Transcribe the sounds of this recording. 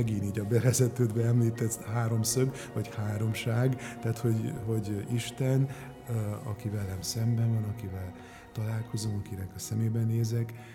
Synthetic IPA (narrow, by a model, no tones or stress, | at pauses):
ɛɡiniːɟɒbɛvɛzɛt̪øːd̪bɛɛmliːt̪ɛt̪haːɾo̞msøɡ | vɒchaːɾo̞mʃaːɡt̪aːt̪ho̞ɟho̞ɟiʃt̪ɛn | ɒ̰kivɛlːɛmsɛmbɛnvɒnɒkivɛl | t̪ɒlaːlko̞zomɒkinɛkɒsɛmeːbɛneːzɛk